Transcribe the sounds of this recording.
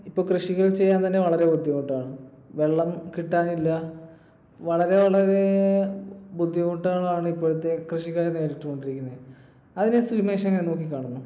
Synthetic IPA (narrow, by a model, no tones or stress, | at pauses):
ipːo̞ːɭkrɨʂiɣɐɭt͡ɕe̞jːaːnt̪ɐnːe̞ʋɐɭɐɾe̞bud̪ʱːjikoʈːaːɳɨ | ʋe̞ɭːɐmkiʈːaːnilːɐ | ʋɐɭɐɾeʋɐɭɐɾe̞ | bud̪ʱːikuʈːuɣɐɭɐaːɳɨipːoːɭut̪ːe̞krɨʂikaːɾne̞ːɾitːuko̞ɳɖiɾikʲːunːɐðɨ | ɐðinesimeːʂɐŋːɐɭeno̞ːkːikʲːaːɳunːu